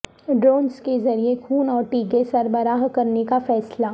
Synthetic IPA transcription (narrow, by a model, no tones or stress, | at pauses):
ɖɾoːnskezɐɾiekʰuːnɔːɾʈiːɡesɐɾbəɾaːɦkɐɾnekafɛːsla